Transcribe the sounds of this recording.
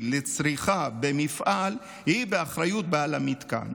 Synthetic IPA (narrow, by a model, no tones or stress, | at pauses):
let͡sɾiχabemifʔal | hibeaχɾajut̪̚bealamit̪ka̰n